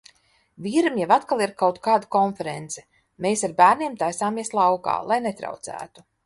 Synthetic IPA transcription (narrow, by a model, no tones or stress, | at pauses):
vʲiːɾamjavat̪kalˠiɾkawt̪kaːd̪akɔnfɛɾent̪sɛ̥ | meːsaɾbæːɾnʲiɛmt̪ajsaːmiɛslˠawka̰ːlˠajnet̪ɾa̰wt̪sæ̰ːt̪u̥